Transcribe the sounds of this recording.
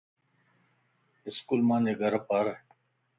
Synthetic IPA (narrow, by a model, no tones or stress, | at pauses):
ɪskulmãːneːɡʱəɾpaɾ